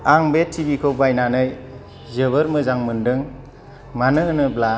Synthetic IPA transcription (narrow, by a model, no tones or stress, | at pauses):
aŋbetʰːibikʰɔbajnanɯj | zɯβɯɾmɯzaŋmɯndɯŋ | manɯnɯbla